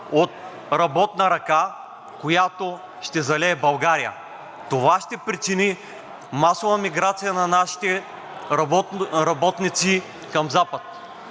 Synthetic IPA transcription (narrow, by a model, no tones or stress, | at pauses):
ot̪̚ | ɾɐbɔt̪nɐɾɐka | kojat̪o | ʃt̪ɛzɐlɛːbɐlˠɡaɾijə̰ | t̪ovaʃt̪ɛpɾit͡ʃini | masovɐmiɡɾat̪sijɐnɐnaʃi̥t̪ɛ | ɾɐbɔt̪nit̪si | kɐmzapɐt̪